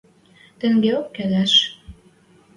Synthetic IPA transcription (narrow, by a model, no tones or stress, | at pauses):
t̪ɘ̆ŋɡeokːæðæʃ